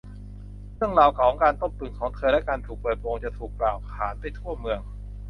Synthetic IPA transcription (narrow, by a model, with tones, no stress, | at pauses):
ɾʰɯ˥˩əŋlaː˧˩wkʰaː˨˩˦ŋkaː˧nt̪o˥˩mt̪u˨˩nkʰɔː˩˦ŋt̪ʰɤː˧lɛ˦˥˩kaː˧nt̪ʰuː˨˩k̚pɤː˨˩t̪̚poː˧ŋt͡ɕa˨˩t̪ʰuː˨˩k̚plaː˨˩wkʰaː˩˦npa˧jt̪ʰu˥˩ɐmɯ˧əŋ